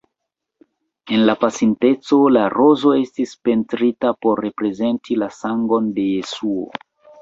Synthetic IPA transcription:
e̞nlapasinte̞t͡so̞laɾo̞zo̞e̞stispe̞ntɾitapo̞ɾːe̞pɾe̞ze̞ntʰilasaŋɡo̞nde̞je̞suo̰

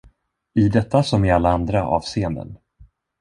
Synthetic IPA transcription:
ɪd̪ɛt̪ːasɔmɪalːaand̪ɾaʔɑ̰ːvseːənd̪ə̰n

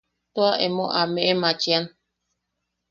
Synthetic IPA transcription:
t̪oaʔemoʔameʔemat͡ʃian

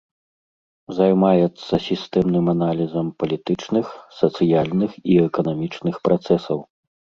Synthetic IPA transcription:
zajmajɛt̪sːɐsʲist̪ɛmnɨmanalʲizɐmpɐlʲit̪ɨt͡ʂnɨxsɐt̪sɨjalʲnɨxiɛkɐnamʲit͡ʂnɨxpɾat̪sɛsɐw

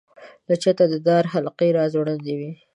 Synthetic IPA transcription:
lat͡ʃat̪ad̪əd̪ɑɾɦalqeɾɑzwɽand̪ewi

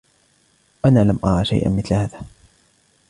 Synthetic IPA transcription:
ʔanaːlamʔɑɾˤɑʃa̰jʔa̰nmɪθlhaːðaː

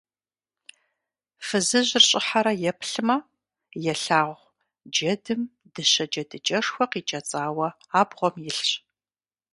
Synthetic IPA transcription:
fɨzɨʑɪrɕʼɪħaɾɐjɛpʰɬɨmɐ | jɛɬaːʁʷ | d͡ʒɐdɨm | d̥ɨɕɐd͡ʒɐdɨt͡ʃʼɐʂxʷɐqiːt͡ʃʼɐt͡sʼaːwɐ | aːbʁʷɔmjɪɬɕ

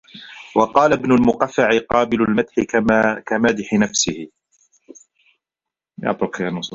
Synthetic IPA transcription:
wɑqɑːlabnʊlmʊqafːaʕɪqɑːbɪlʊlmat̪ħɪkamaːd̪ɪħɪnafsɪhɪ | jɑ̰ːt̪ˤɾʊqjanɑsˤuː

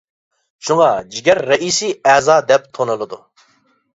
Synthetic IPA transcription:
ʃuŋɑd͡ʒiɡʲɛɾːɛʔisiːɛːzɑːd̪ɛp̚t̪ʰonɨlˠɨd̪u

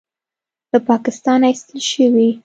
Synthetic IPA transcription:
l̥əpɑkɪst̪ɑnaist̪əlʃəwi

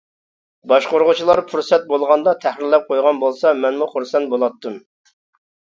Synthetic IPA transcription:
bɑʃqoɾʁʊt͡ʃʰilˠɑɾfuɾsɛt̪̚bolˠʁɑnd̪ɑt̪ʰæhɾɪɾlɛp̚qʰojʁɑnbolˠsɑmɛnmuχuɾsɛnbolˠɑt̪ːɨm

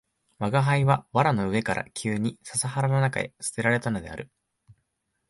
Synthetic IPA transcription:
βaɡaɦaiβaβaɾano̞ɯ̟e̞kaɾʔa̰kʲʰɨːɲ̟isasahaɾano̞naka̰e̞̰sɨ̥t̪e̞ɾaɾe̞t̪ano̞d̪e̞a̰ɾɯ̟

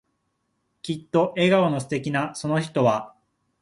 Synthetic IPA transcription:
kʲit̪ːo̞ʔe̞ɡaonosɨ̥t̪e̞k̬ʲinaso̞no̞çi̥t̪o̞βa

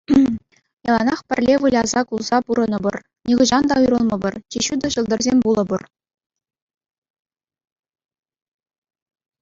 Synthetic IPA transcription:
jɑlˠɑnɑχpʲɘ̆rʲlʲeʋɯlʲɑzɑkulˠz̥ɑpuɾɤ̆nɤ̆bɤ̆r | nʲiʁɤ̆ʑɑnd̪ɑuɾɤ̆lˠmɤ̆bɤ̆rt͡ɕeɕud̪ɤ̆ɕɤ̆lˠd̪ɤ̆rzʲemʲbulˠɤ̆bɤ̆r

